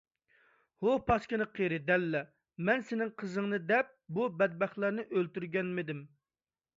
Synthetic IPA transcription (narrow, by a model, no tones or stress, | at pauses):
hopʰɑskʲɪnɨqʰeɾɪd̪ɛlːɛ | mɛnsɪnɪŋqʰəzɨŋnɨd̪ɛp̚bubɛd̪̚bɛχlˠæɾnɨʔølt̪yɾɡʲɛnmɪd̪ɪm